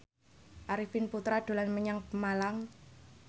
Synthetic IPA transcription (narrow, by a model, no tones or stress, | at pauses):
ʔaɾifɪnput̪ɾad̪̥o̤lanməɲaŋpəmalaŋ